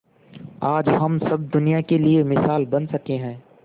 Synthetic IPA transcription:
aːd͡ʒɦɐmsɐb̚d̪ʊnijakeliemɪsaːlbɐnsɐkeɦɛ̃ː

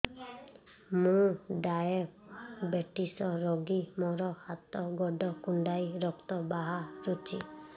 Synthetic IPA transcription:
mũɖajebeʈisɔɾɔɡimɔɾɔhat̪ɔɡɔɖɔkuɳɖajɾɔkt̪ɔbaɦaɾut͡ʃʰi

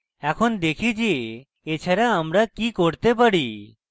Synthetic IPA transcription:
ɛkʰond̪ekʰid͡ʒe | et͡ɕʰaɾaamɾakikoɾt̪ep̬aɽi

